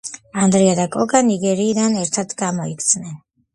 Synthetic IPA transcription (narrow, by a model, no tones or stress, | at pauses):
and̪ɾiad̪akʼɔɡaniɡɛɾiːd̪anɛɾt̪ʰad̪ʰɡamɔikʰt̪sʰnɛn